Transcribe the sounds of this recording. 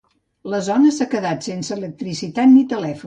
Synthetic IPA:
ləzɔnəsakəðat̪sensəələk̚t̪ɾisit̪at̪nit̪əlɛfu

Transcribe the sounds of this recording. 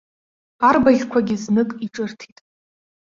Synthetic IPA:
arbaɮʲkʷʰaɡʲɪznɨkʼiʈ͡ʂʼɨrtʰitʼ

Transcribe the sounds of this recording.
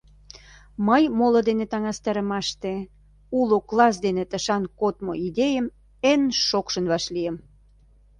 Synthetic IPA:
məjmolod̪enet̪ɑŋɑst̪ɑɾə̆mɑʃt̪e | uloklɑs̬d̪enet̪əʃɑnkot̪moid̪ejəm | enʃokʃənβɑʃlijəm

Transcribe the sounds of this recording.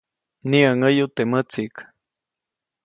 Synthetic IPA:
niəŋəjut̪emət͡sik

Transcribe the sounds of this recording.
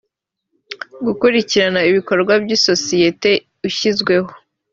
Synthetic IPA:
ɡukuɾiciɾanaiβiko̞ɾɡwabɟiso̞sije̞te̞ | uçizɡwe̞ɦo

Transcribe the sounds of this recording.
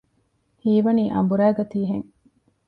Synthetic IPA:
hiːʋɐniːʔɐ̰mbuɾæːɡɐt̪iːɦeŋ

